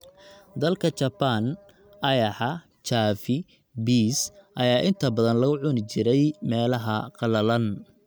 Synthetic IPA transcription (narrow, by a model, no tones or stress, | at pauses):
d̪ɐlkʰɐt͡ʃɐbɐn | ʔɐjɐħɑ | t͡ʃaːfɪ | biːsʔɐjaːʔɪnt̪ʰɐbɐðɐnlɐɣʊʕʊnɪt͡ʃɪɾɛjmɛːlɐɦɐqɑlɐlɐn